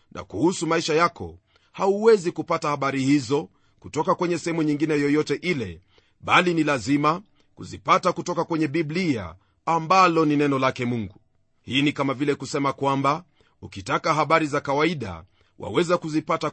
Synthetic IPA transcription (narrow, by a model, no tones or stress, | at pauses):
nʔa̰kuhusumaiʃajakʰɔ̰ | hauwɛzikupatahaɓaɾihizɔ | kutɔkakwɛɲɛsɛhɛmuɲiŋɡinɛjɔjɔtɛʔilɛ | ɓalinilazima | kuzipatakutɔkakwɛɲɛɓiblia̰ː | mbalɔninɛnɔlakɛmuŋɡu | hiːnikamavilɛkusɛmakwamba | ukitakaɦaɓaɾizakawaiɗa̰ | wa̰wɛzakuzipata